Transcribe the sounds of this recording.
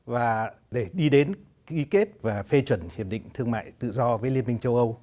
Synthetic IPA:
vaː˨˩ | ɗe˧˩ɗi˧ɗe˨˦n | ki˨˦ke˦˥t̚vaː˨˩fe˧t͡ɕwə˧˩nhi˨˩əp̚ɗḭ˧˨ŋ̟t̪ʰɨ˧əŋma̰ː˧˨jt̪ɨ̰˧˨zɔ˧vəː˨˦jli˧ənmï˧ŋ̟t͡ɕə˧wʔə˧w

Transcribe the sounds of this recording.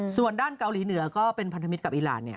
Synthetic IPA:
su˨˩əndaː˥˩nka˧wliː˩˦nɯ˨˩˦ɐkɔː˥˩pe˧npʰa˧nt̪ʰa˧mi˦˥t̪k̚ʔiː˨˩ɾa̰ː˩˦nːi˥˩ɐ

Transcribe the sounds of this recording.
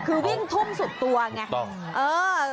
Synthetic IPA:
kʰɯː˧wi˥˩ŋt̪ʰu˥˩əmsu˨˩t̪ːu˧ɐŋa˦˥˩ | ʔɤː˧

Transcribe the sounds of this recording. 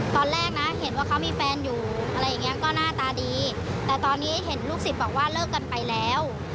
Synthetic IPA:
t̪ɔː˧nɾɛː˥˩k̚na˦˥he˩˦nwaː˥˩kʰa˦˥wmiː˧fɛː˧njuː˨˩ʔa˧ɾa˧jːa˨˩ŋːi˦˥ɐ˧kɔː˥˩naː˥˩t̪aː˧diː˧ | t̪ɛː˨˩t̪ɔː˧nːiː˦˥ɦe˩˦nluː˥˩k̚si˨˩t̪̚bɔː˨˩k̚waː˥˩lɤː˥˩kːa˧npa˧jlɛː˦˥w

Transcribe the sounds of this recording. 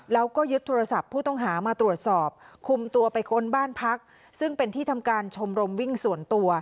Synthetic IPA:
lɛː˦˥wkɔː˥˩jɯ˦˥t̪ʰːoː˧ɾa˧sa˨˩pʰːuː˥˩t̪ɔ˥˩ŋɦaː˩˦maː˧t̪ɾu˨˩ət̪̚sɔː˨˩p̚kʰu˧mt̪u˧ɐpa˧jkʰo˦˥nbaː˥˩npʰa˦˥k̚ | sɯ˥˩ŋpe˧nt̪ʰiː˥˩t̪ʰa˧mkaː˧nt͡ɕʰo˧mɾo˧mwi˥˩ŋsu˨˩˦ənt̪u˧ɐ

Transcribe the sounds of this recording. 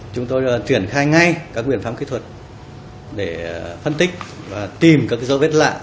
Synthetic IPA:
t͡ɕʊ˨˦ŋ͡mt̪o˧jt͡ɕwi˧˩ənxaː˧jŋa˧jkaː˦˥k̚ɓi˧˩ənfaː˨˦˥mkḭ˧˥t̪wə˨˩t̚ | ɗe˧˩fə˧nt̪ï˦˥k̟̚ | vaː˨˩t̪i˨˩mkaː˦˥kzo̰˧˦ve˦˥t̚la̰ː˧˨ʔ

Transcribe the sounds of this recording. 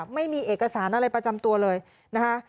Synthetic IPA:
p̚ma˥˩jmiː˧ʔeː˨˩k̚kːa˧saː˩˦nʔa˧ɾa˧jpɾa˧t͡ɕa˧mt̪u˧ɐlɤː˧j | na˦˥kʰa˦˥ʔ

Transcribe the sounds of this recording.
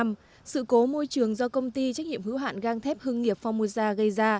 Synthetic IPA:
m | sɨ̰˧˨ko˨˦mo˧jt͡ɕɨ˨˩əŋzɔ˧kə˧wŋ͡mt̪i˧t͡ɕa˦˥k̟̚ɲḭ˧˨əmhɨ̰˧˥wɦa̰ː˧˨nɣaː˧ŋt̪ʰɛ˦˥p̚hɨ˧əŋːi˨˩əp̚fɔ˧wmu˧zaː˧ɣə˧jzaː˧

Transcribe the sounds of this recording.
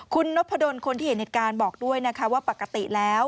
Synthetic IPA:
kʰu˧nːo˦˥pʰːa˧do˧nkʰo˧nt̪iː˥˩he˨˦ne˨˩kaː˧nbɔː˨˩k̚du˥˩əjna˦˥kʰa˦˥waː˥˩pa˨˩kːa˧t̪i˨˩lɛː˦˥w

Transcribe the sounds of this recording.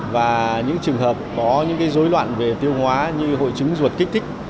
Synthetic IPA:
vaː˨˩ɲɨ̰˧˥ŋt͡ɕɨ˨˩əŋɦəː˨˩p̚kɔ˨˦ɲɨ̰˧˥ŋkaː˨˦jzo˨˦jlwa̰ː˧˨nve˨˩t̪i˧əwhwaː˨˦ɲɨ˧ɦo̰˧˨jt͡ɕɨ˨˦ŋzu˨˩t̚ki˦˥k̚t̪ʰï˦˥k̚

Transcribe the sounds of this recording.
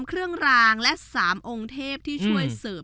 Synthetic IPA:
mkʰɾɯ˥˩əŋɾaː˧ŋlɛ˦˥ʔsaː˩˦mʔo˧ŋt̪ʰeː˥˩p̚t̪ʰiː˥˩t͡ɕʰu˥˩əjsɤː˨˩m

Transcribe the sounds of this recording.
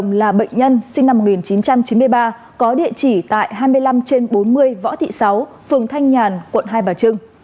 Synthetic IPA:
ŋ͡mlaː˨˩ɓə̰˧˨jŋ̟ɲə˧nsï˧ŋna˧mː˨˩t̚ŋi˨˩nt͡ɕi˨˦nt͡ɕa˧mt͡ɕi˨˦nmɨ˧əjɓaː˧ | kɔ˨˦ɗḭ˧˨ət͡ɕi˧˩t̪a̰ː˧˨jɦaː˧jmɨ˧əjla˧mt͡ɕe˧nɓo˨˦nmɨ˧əjvɔ̰˧˥t̪ḭ˧˨sa˨˦w | fɨ˨˩əŋt̪ʰa˧jŋ̟ɲaː˨˩nkwə̰˧˨nɦaː˧jɓaː˨˩t͡ɕɨ˧ŋ

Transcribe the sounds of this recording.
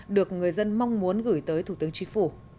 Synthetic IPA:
ɗɨ˨˩ək̚ŋɨ˨˩əjzə˧nma˧wŋ͡mmu˨˦ənɣɨ˧˩jt̪əː˨˦jt̪ʰu˧˩t̪ɨ˨˦əŋt͡ɕï˨˦ŋ̟fu˧˩

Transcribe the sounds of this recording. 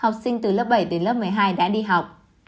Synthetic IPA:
ha˨˩wk͡p̚sï˧ŋ̟t̪ɨ˨˩ləː˦˥p̚ɓə˧˩jɗe˨˦nlə˦˥p̚mɨ˨˩əjɦaː˧jɗa̰ː˧˥ɗi˧ɦa˨˩wk͡p̚

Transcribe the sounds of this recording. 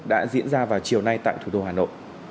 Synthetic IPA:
ɗa̰ː˧˥zḭ˧˥ənzaː˧vaː˨˩wt͡ɕi˨˩əwna˧jt̪a̰ː˧˨jt̪ʰu˨˩ɗo˧ɦaː˨˩no̰˧˨jʔ

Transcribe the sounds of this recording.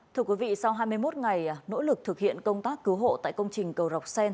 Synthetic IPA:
t̪ʰɨ˧əkwi˨˦vḭ˧˨sa˧wɦaː˧jmɨ˧əjmo˦˥t̚ŋa˨˩jno̰˧˥lɨ˨˩k̚t̪ʰɨ˨˩k̚hḭ˧˨ənkə˧wŋ͡mt̪aː˦˥kːɨ˨˦wɦo̰˧˨t̪a̰ː˧˨jkə˧wŋ͡mt͡ɕï˨˩ŋ̟kə˨˩wza˨˩wk͡p̚sɛ˧n

